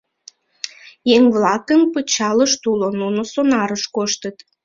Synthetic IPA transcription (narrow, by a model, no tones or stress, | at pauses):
jeŋβlɑkəmpət͡ɕɑləʃt̪ulonunosonɑɾəʃkoʃt̪ət̪